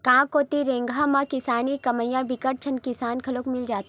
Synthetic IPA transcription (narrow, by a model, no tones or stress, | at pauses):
kãːkoːt̪iɾẽːŋɡʱamãkɪsaːnikɐməjãbɪkəʈ̚t͡ʃʰənkɪsaːnkʰɐloːkmɪld͡ʒaːt̪ː